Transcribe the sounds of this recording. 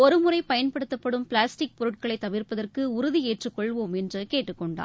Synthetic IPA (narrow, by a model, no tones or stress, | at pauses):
ɔɾɯmʊrɐɪpɐjɐnpɐɽɯt̪ːɐpːɐɽɯmpɪɭaːsʈɪk̚pɔɾɯʈ̚kɐɭɐɪt̪ːɐʋɪrpɐðɐrkɯʊɾʊðieːʈrɯkːɔɭʋoːmɛndrɯkeːʈːɯkːɔɳɖa̰ː